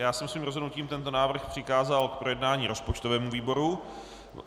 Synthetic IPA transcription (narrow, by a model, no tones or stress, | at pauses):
jaːsɛmsviːmɾozɦodnuciːmt̪ɛnt̪o̞naːvr̩xpr̝̥ɪxaːzalk̚pɾo̞jɛdnaːɲiːɾo̞spot͡ʃt̪ovɛːmuviːbo̞ɾu